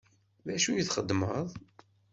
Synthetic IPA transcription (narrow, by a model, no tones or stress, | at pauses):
ðæʃujiθχəd̪ːməðˤ